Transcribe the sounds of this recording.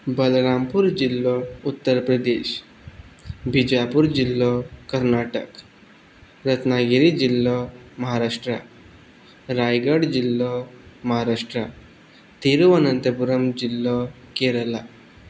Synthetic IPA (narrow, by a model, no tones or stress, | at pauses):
bəlɾampuɾd͡ʑilːɔut̪ːəɾpɾəd̪eɕ | bʱid͡ʑapuɾd͡ʑilːɔkəɾnaʈək | ɾət̪naɡiɾid͡ʑilːɔməɦaɾaʂʈɾa̰ | ɾajɡəɽd͡ʑilːɔməɦaɾaʂʈɾa | t̪iɾuʋənənt̪əpuɾəmd͡ʑilːɔ | keɾəla